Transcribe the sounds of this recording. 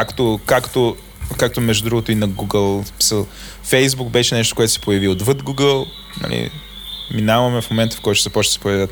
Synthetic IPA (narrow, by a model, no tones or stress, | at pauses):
akt̪okakt̪o | kak̚t̪omɛʒd̪uʊd̪ɾuɡot̪oinɐɡuɡəlˠsmi̥səlˠ | fɛjzbukbɛʃɛnɛʃt̪o̥koɛt̪ʊ̥sɛ̥pojɐviod̪vəd̪ɡuɡəlˠ | nɐ̰lʔḭ | minavɐmɛfmomɛnt̪ə̥fkɔjt̪ʊ̥zɐpɔt͡ʃnəsɛpʊjɛvət̪